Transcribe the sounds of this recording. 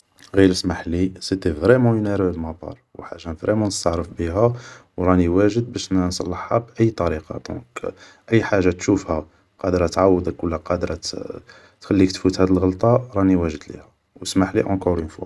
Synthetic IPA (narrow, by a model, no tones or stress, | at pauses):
ɣiləsmaħlisit̪evɾɛmɑ̃jineɾəbmɑt̪ˤɑ̰ɾˤwħaʒːanvɾemɑ̃nəst̪ɑʕɾəfbəɦæwɾˤɑniwæʒəd̪̚bæʃnnsˤɑ̰lːəħːabʔəjːt̪ˤɑɾiqɑ̰d̪ɔ̰̃k | ʔəjːħaʒːat̪ʃufhæ | qɑd̪ɾˤɑt̪ʕawːəd̪əkwəlːæqɑd̪ɾˤ | t̪xælːikt̪fut̪hæd̪əlɣəlt̪ˤɑɾˤɑniwæʒəd̪lḭhæ | wsmaħlḭʔɑ̃kɔɾənfṵ